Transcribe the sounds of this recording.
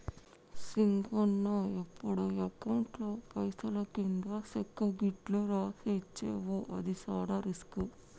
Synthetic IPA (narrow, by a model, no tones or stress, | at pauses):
siŋɡonːoːepːuɽuɐkɐwɳʈloːpɐjsɐlɐkind̪asekːɐɡiʈluɾaːset͡ʃːḛːʋoʔɐd̪isaːɽɐɾisku